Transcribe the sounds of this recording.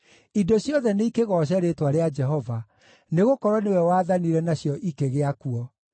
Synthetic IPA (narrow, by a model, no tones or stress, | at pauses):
idoɕjɔðɛneikeɣɔɕ̬ɛɾetwaɾead͡ʒɛɦɔva | neɣokɔɾwɔnewɛwaːðaniɾɛnaɕjɔʔikeɣeakuɔ